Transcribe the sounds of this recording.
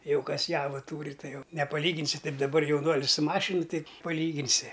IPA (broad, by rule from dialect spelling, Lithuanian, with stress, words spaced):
ˈjɛʊ ˈkɐs ˈjæːʋɐ ˈtuːrʲɪ ˈtɐɪ ˈjɛʊ nʲɛpɐˈlʲiːɡʲɪnʲsʲɪ ˈtɐɪp dɐˈbɐr jɛʊˈnuɔlʲɪs sʊ ˈmɑːʃʲɪnʊ ˈtɐɪ pɐˈlʲiːɡʲɪnʲsʲɪ